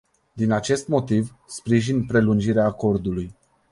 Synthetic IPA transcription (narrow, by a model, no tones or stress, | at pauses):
d̪inat͡ʃe̞st̪mo̞t̪iv | spɾiʒinpɾe̞lund͡ʒiɾeaːko̞rd̪uluj